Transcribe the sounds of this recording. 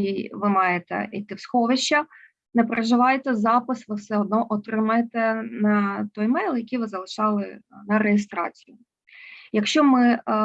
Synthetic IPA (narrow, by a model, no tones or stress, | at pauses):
iʋɪmɑjet̪ɛ̰ʔḭt̪ɪwsxɔʋɪʃt͡ʃːɐ | nɛpɾɐʒɪʋɑjet̪ɛzɑpɪsʋɪwsɛɔd̪̚nɔʔɔt̪ɾɪmɐjet̪ɛnɐt̪ɔjmɛjlˠjɐkʲijʋɪzɐlˠɪʃɑlˠɪnɐɾejɪst̪ɾɑ̰t͡sʲijʊ | jɐkʃt͡ʃɔmɪ